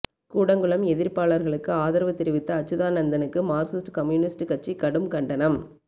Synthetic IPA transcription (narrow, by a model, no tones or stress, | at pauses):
kuːɽɐŋɡɯɭɐmɛðɪɾpaːɭɐɾɣɐɭɯkːɯaːðɐɾɐʋɐt̪ːɪɾɯʋɪt̪ːɐɐt͡ʃːɯðaːnɐnd̪ɐnɯkːɯmaːɾsɪsʈkɐmjuːnɪsʈkɐʈ̚t͡ʃːikɐɽɯmkɐɳɖɐnɐm